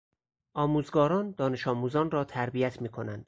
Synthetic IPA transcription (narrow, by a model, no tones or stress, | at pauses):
ʔɒːmuːzɡɒːɾɒːnd̪ɒːne̞ʃɒːmuːzɒːnrɒːt̪ʰæɾbijæt̪ʰmiːkʰo̞nænd̪̥